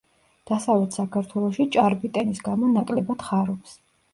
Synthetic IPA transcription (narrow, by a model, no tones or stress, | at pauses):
d̪̥asavlɛt̪ʰsakʰaɾt̪ʰwɛlˠɔʃit͡ʃʼaɾbit̪ʼɛnisɡamɔnakʼlɛbat̪χaɾɔps